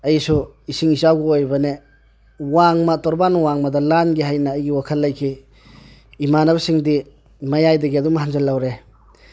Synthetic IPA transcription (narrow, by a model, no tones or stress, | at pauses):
ɐjsuisiŋisawɡuojbɐne | waŋmɐtɔɾbanwaŋmɐdɐlanɡiɦajnɐːjɡiwakʰɐlːɐjkʰiː | manɐβɐsiŋdi | mɐjajdɐɡiɐdumɦanzɐlːawɾe